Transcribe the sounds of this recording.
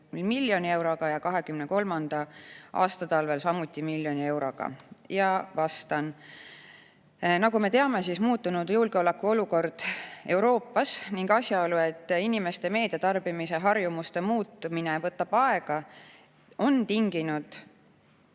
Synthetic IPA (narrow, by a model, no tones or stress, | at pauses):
milmilːjo̞nʲie̞wɾo̞ɡ̥ɑjɑkɑɦe̞kymne̞ko̞lmɑnd̪̥ɑʔɑ̰ːst̪ɑt̪ɑlve̞lsɑmut̪ʲːˑimilʲːjo̞nʲie̞wɾo̞ɡ̥ɑ̰jɑvɑst̪ɑn | nɑɡume̞t̪e̞ɑme̞sismuːt̪ːˑunud̪̥julɡ̥eolekːuo̞luko̞rd̪̥e̞wɾo̞ːpːɑsniŋɡɑsʲjɑolue̞t̪ːˑinime̞st̪e̞me̞ːd̪̥e̞t̪ɑrb̥imise̞ɦɑrjumust̪e̞muːt̪ːˑuminevɤt̪ːˑɑb̥ɑe̞ɡ̥ɑ | o̞nt̪iŋɡ̥inud̪̥